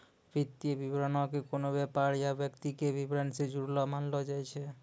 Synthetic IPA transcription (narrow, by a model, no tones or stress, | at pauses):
bɾit̪ːiebibɾonakekonobɛpaɾjabekt̪ikebibɾansed͡ʑuɾlamanlod͡ʒajt͡ɕʰe